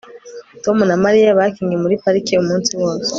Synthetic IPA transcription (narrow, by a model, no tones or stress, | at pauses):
to̞munamaɾijaβakiːŋɡemuɾipaɾikiumuːnsiwo̞ːse̥